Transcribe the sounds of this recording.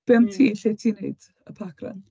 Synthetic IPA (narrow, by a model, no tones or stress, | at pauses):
b̥ɛmtʰiːɬejtʰiːneɨd̥ | əpʰaɡra̰n